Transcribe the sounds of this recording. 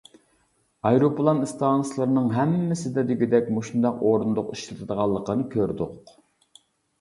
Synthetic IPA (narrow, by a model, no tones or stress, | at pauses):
ɑjɾopʰlˠɑnst̪ɑːnslˠəɾɨnɨŋɦɛmːɪsɪd̪ɛd̪ɪɡʲid̪ɛkʲmoʃund̪ɑqoɾund̪ʊqiʃlɨt̪ʰɨd̪əʁɑlˠːəqənɨkʲʰøɾd̪ʊq